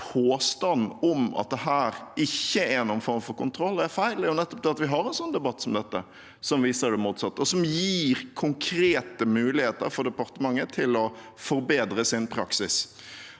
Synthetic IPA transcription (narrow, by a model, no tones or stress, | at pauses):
pʰoːst̪ɑnɔmɑ̰t̪̚d̪ɛɦæːɾʔɪçːəɛænuːənfɔɾmfɔɾkʊnt̪ʰɾɔlːæɾfæɪlɪʊnɛt̪ːɔp̚d̪ɛɑt̪ʋɪɦɑɾɛnsɔnːd̪ɛbɑt̪ːsɔmd̪ɛt̪ːə̰ | sɔmʋiːsəɾd̪ɛmuːt̪sɑt̪ːəɔsɔmjiːɾkʰʊŋkʰɾeːt̪əmʉːlɪheːt̪ə̰ɾfɔɾd̪ɛpɑɾt̪əmɑŋːət̪ʰɪlɔ | fɔɾbeːd̪ɾəsɪnpʰɾɑksɪs